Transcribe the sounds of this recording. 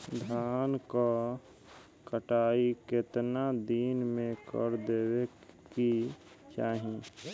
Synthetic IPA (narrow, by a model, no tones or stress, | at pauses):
d̪ʱaːnka | kəʈaːiket̪nad̪iːnmẽkə̰ɾd̪eːwe | ki | t͡ʃaːɦi